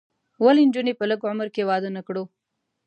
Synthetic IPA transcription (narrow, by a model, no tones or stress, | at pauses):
wəlind͡ʒunepələɡʊməɾkewɑd̪ənakɽo